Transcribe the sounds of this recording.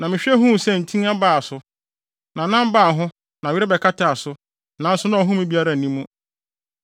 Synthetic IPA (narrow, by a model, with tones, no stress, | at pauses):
nã˨mɪ̃˨ɕᶣɛ˦ɦʊ̃˦˨sɛ˦n̩˨tʰĩ˦a˦baː˦˨a˨sʊ˨ | nã˨nã˦m˦baː˦˨ɦʊ̃˦ | nã˨ɥɪ˦ɾɛ˦bɛ˨kʰa˦ta˨a˨sʊ˨˦ | nã˨n̩˦sʊ˦nã˦ɔ˨ɦʊ̃˦mĩ˦bi˦a˦ɾa˨nĩ˦mːũ˦